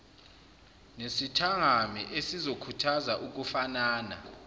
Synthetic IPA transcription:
nesitʰaŋamiʔesizokʰutʰazaʔuk̬ufanaːna̰

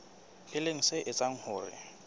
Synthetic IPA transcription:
ɪleŋ̩sɪʔɪt͡sʼaŋ̩hʊːrɪ̰

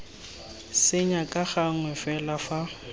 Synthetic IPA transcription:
sɪɲakʼaχaŋ̩wɛfɛlafa

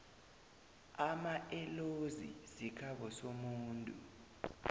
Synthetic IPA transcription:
amaʔɛlozḭsikʰaɓɔsomuːntʼu

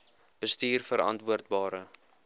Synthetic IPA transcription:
b̥əstiːrfəɾɐ̰ntvuərt̚bɑːɾə

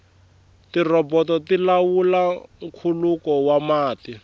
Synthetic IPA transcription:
tirɔbɔtɔtilawulaŋ̩kʰulukɔwamaːti

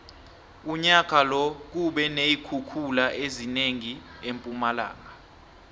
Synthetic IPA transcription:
uɲak̬ʰʼalɔk̬uɓɛnejikʰukʰulaʔezineŋi | empʼumala̰ːŋa

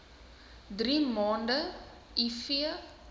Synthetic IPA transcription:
driːmɑːndə | ifiə

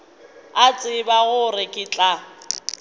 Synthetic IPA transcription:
at͡sʼɪbaɣʊrɪkʼɪt͡ɬʼa

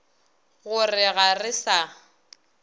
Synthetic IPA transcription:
ɣʊrɪɣarɪsa

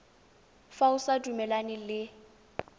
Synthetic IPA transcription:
faʊsadumɛlanɪlɪ

